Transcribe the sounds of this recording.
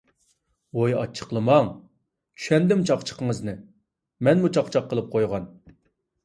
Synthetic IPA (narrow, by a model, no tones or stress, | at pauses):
ojɑ̰t͡ʃʰːə̥qlˠɨmɑŋ | t͡ʃʰy̥ʃɛnd̪ɪmt͡ʃʰɑqt͡ʃʰə̥qəŋəznɨ | mɛnmut͡ʃʰɑqt͡ʃʰɑqːəlˠɨp̚qʰojʁɑn